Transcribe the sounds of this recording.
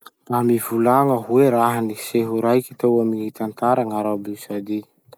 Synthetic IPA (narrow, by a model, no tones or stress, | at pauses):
ramivulaŋəɦueɾaɦaniseɦuɾajki̥t̪awamiɦit̪ant̪aɾaŋaɾabisad̪i